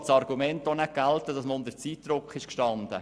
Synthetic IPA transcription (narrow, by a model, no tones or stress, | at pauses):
t͡ssɑɾɡumɛntonɛɡ̥ælt̪əd̥ɑsməʊnd̪əɾt͡siːt̪dɾʊkχɪʃkʃtɑnd̪ə̰